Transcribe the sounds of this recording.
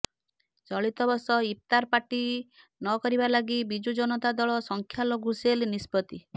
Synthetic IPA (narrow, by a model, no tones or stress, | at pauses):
t͡ʃɔɭit̪ɔbɔsɔip̚t̪aɾpaʈi | nɔkɔɾibalaɡibid͡ʒud͡ʒɔnɔt̪ad̪ɔɭɔsɔŋkʰjaloɡuselnispɔt̪i